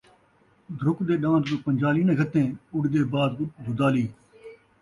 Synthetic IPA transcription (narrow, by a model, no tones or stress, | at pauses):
d̪ʱɾʊkd̪eːɗãːt̪oːpəɲʲd͡ʒaːliːnẽːɡʱət̪ẽːʊɽd̪eːbaːd̪d̪ʱʊd̪aːliː